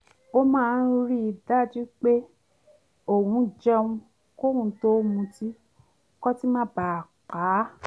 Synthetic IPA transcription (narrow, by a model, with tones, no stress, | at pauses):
o˦mãː˦˧n̩˦ɾi˦i˧da˦d͡ʒi˦k͡pe˦ | o˦˨wũ˨˧˦d͡ʒɛ˦wũ˧ | ko˦wũ˧to˦mũ˧ti˦ | kɔ˦ti˦mã˦˨ba˨k͡pa˨˦